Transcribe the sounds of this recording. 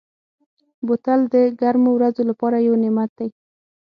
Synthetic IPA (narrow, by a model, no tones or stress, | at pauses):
bʊt̪ald̪əɡaɾmowɾazolapɑɾajawnɪmat̪̚d̪aj